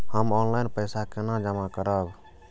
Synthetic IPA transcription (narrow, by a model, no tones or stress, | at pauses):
həmɔnlajnpəjsakenad͡ʒəmakəɾək